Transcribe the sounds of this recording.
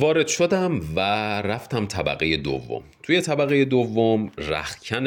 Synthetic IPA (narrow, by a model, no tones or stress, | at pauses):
vɒːɾe̞d̪̥ʃo̞d̪æmvæɾæft̪æmt̪ʰæbæ̰ɣeje̞d̪o̰vːo̰mt̪ʰuje̞t̪ʰæbæɣeje̞d̪ovːomræ̰xcʰæn